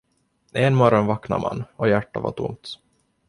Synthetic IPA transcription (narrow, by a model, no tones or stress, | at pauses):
enmɔɾɔnvakna̰mʔa̰nːɔjæʈːava̰ʈʰʊ̰mt̪